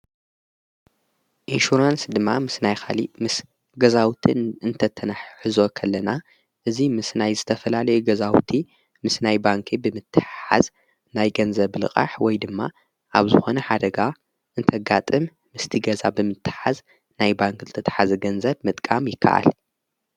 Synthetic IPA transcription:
ʔinʃuɾansd̪ɨmːamɨsnajxʰalimɨs | ɡɐzawt̪ʰiɨnt̪ʰɐt̪ʰːɐnaħħɨzo̞kʰɐlːɐna | ʔɨzimɨsnajzɨt̪ʰɐfɐlalɐjuɡɐzawt̪ʰi | mɨsnajbaŋkʰibɨmɨt̪ʰːɨħa̰z | najɡɐnzɐβlɨ̰kʼa̰ħwɔjd̪ɨmːa̰ | ʔaβzɨxo̞nɐħad̪ɐɡa | ʔɨnt̪ʰɐɡat̪ʼɨmːɨst̪ʰiɡɐzabɨmɨt̪ʰːɨ̥ħaz | najbaŋkzɨt̪ʰɐt̪ʰɐ̥ħazɐɡɐnzɐβmɨt̪ʼkʼamjɪkʰːa̰ʔa̰l

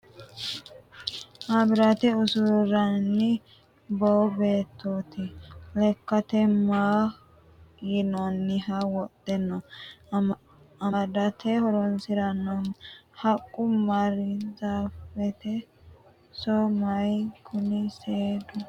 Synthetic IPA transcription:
ʔɐbɪɾat̪ɛʊsʊɾɾɐnːɪ | bɔbeːt̪ːot̪ɪlɛkːɐt̪ɛmaː | jɪnɔnːɪhɐwɔt̪ʼːɛnːɔ | ɐd̪ɐt̪ʰɛhɔɾɔnsɪɾɐnɔnhɐkʼːʊmɐɾɪzaːfɛt̪ɛ | sɔmɐjkʰʊnɪseːd̪ʊ

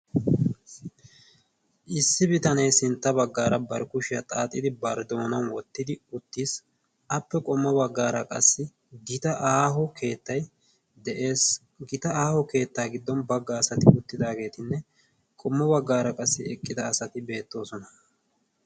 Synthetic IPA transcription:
ʔɪsːɪbɪt̪ɐnɛjsɪnt̪ːɐbɐɡːaːɾɐbɐɾkʊʃɪjɐt̪ʼaːt̪ʼːɪd̪ɪbɐɾd̪o̞ːnɐnwɔt̪ːɪd̪ɪʊt̪ːiːs | ʔɐpːɛkʼɔmːɔbɐɡːaːɾɐkʼɐ̰sːɪ | ɡɪt̪ɐʔaːɦɔkʰe̞ːt̪ːɐj | d̪ɛʔe̞ːs | ɡɪt̪ɐaːhɔke̞ːt̪ːaːɡɪd̪ːɔnbɐɡːaːsɐt̪ɪʊt̪ːɪd̪aːɡe̞ːt̪ɪnːɛ | kʼɔmːɔbɐɡːaːɾɐkʼɐsːɪɛkʼːɪd̪ɐːsɐt̪ɪbe̞ːt̪ːo̞ːsɔnɐ

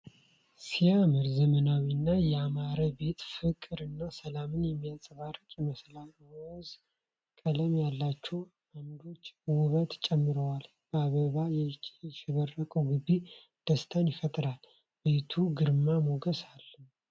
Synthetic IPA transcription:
sijamɨɾzəmənawinːajɛamaɾəbe̞t̪fɨkʼɨɾɨnːasəlamɨnjɛmːijasʼβaɾəkʼjɛməslawɔz | kʼələmjalːat͡ʃːɛw | and̪o̞t͡ʃːwʊβət̪t͡ʃʼɛmːɨɾəwal | b̥əaβəβajɛʃɪβərəkʼəwɡɨbːi | d̪̥əst̪ʰanjɪfət̪ʼɾal | be̞t̪ʰuɡɨɾmamoɡəsalː

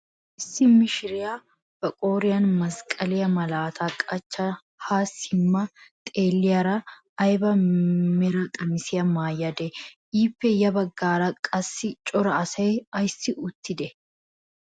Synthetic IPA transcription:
ʔɪsːɪmɪʃɪɾɪja | bɐkʼoːɾɪjɐnmɐskʼɐlɪjɐmɐlaːt̪ʰaːkʼɐt͡ʃːɐ | haːsɪmːɐt̪ʼe̞ːlːɪjɐɾɐː | jbɐmɪɾɐkʼɐmɪsɪjɐmaːjɐd̪ɛʔiːpːɛjɐbɐɡːaːɾɐkʼɐsːɪt͡ʃʼɔɾɐɐsɐjɐjsːɪʔʊt̪ːɪd̪ɛ

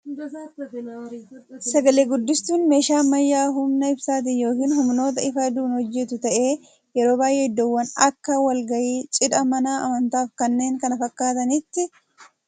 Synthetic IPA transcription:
sɐɡɐleːɡʊd̪ːɪst̪uːnme̞ːʃaːmɐjːaːɦʊmnɐɪbsaːt̪̬ɪnjo̞ːkiːnhʊmno̞ːt̪ɐɪfɐd̪uːnhɔd͡ʒːɛt̪ʊt̪ɐʔe̞ː | jɛɾo̞ːbaːjʔeːɪd̪ːɔwːɐnɐkːɐwɐlɡɐjiːt͡ʃʼɪd̪ɐmɐnaːʔɐ̰mɐnt̪aːfkɐnːe̞ːŋkɐnɐfɐkːaːt̪ɐnɪt̪ːɪ

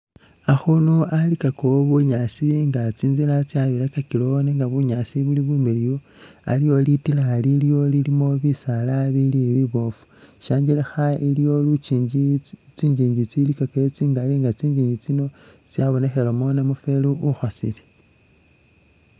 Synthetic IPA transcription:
axunoalikakoβuɲasiŋɡat͡siːnzilat͡sjaβiɾakakiloneŋɡaβuɲasiβuliβumelijo | a̰lijo̞litilaliljo̞lilimo̞βisalaβiliβiβo̞fu̥ʃaːɲɟilexailijo̞lut͡ʃiːɲɟit͡siːɲiːɲɟit͡silikakeet͡siŋɡaliŋɡat͡siːɲd͡ʒiːɲɟit͡sino̞ | t͡sjaβo̞ne̞xe̞lomonamufe̞luʔuxwasḭle

